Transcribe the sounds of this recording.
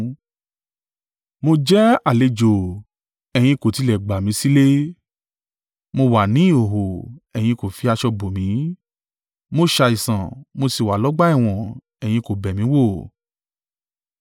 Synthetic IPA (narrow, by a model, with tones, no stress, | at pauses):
mo˧d͡ʒɛ˦a˨le˧d͡ʒo˨ | ɛ˨j̃ĩ˧ko˨ti˧lɛ˨ɡ͡ba˨mĩ˨˦si˦le˦ | mo˧wa˨nĩ˨˦˨o˨ɦo˨ɛ˨j̃ĩ˧ko˨fi˧a˧ʃɔ˧bo˨mĩ˨˦ | mo˦ʃa˧i˨sã˨mo˧si˨wa˨lɔ˨˦ɡ͡ba˦i˦˨w̃ɔ̃˨ | ɛ˨j̃ĩ˧ko˨bɛ˨mĩ˨˦wo˦˨